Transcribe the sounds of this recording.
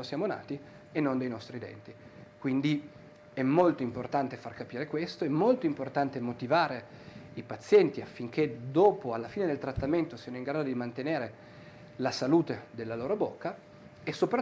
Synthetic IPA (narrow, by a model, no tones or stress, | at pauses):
osjaːmona̰ːt̪i | enːond̪ejnɔst̪ɾid̪ɛ̰nt̪ikwind̪i | ɛmːolt̪oimport̪ant̪efarkapiːɾekwest̪oɛmːolt̪oimport̪ant̪emot̪ivaːɾeipat̪sːjɛnt̪iafːiŋk̟ed̪oːpoalːafiːned̪elt̪ɾat̪ːament̪osiːanoiŋɡɾaːd̪od̪imant̪eneːɾe | lasaluːt̪ed̪elːaloːɾobokːa | esːopɾa